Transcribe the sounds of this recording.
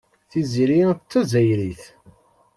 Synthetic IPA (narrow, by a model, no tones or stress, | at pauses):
θiziɾit͡s̪ːæzæjɾiθ